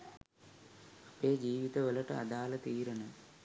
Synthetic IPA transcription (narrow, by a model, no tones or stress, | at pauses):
ɐpeːd͡ʑiːʋit̪ɐʋəlɐʈɐɐ̰d̪aːlɐt̪iːɾɐnɐ